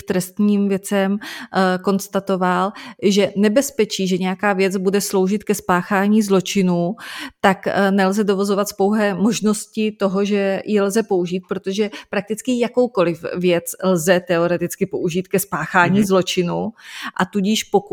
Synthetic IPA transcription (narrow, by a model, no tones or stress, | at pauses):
t̪ɾɛst̪ɲiːmvjɛt͡sɛmko̞nst̪at̪o̞valʒɛnɛbɛspɛt͡ʃiːʒɛɲɛjakaːvjɛt͡sbudɛslo̞wʒɪt̪kɛspaːxaːɲiːzlo̞t͡ʃɪnuːt̪aknɛlzɛdo̞vazo̞vat̪spo̞wɦɛːmo̞ʒno̞scɪt̪o̞ɦo̞ʒɛjʔɪlzɛpo̞uʒiːt̪̚pɾot̪oʒɛpɾak̚t̪ɪt͡skɪjako̞wko̞lɪfvjɛt͡slzɛt̪ɛo̞ɾɛt̪ɪt͡skɪpo̞ʔuʒiːt̪kɛspaːxaːɲiːzlo̞t͡ʃɪnuʔat̪uɟɪʃpo̞ku